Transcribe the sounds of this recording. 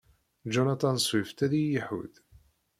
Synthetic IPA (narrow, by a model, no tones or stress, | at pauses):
d͡ʒɔnat̪ˤɑnsˤwift̪æðijəħṵd̪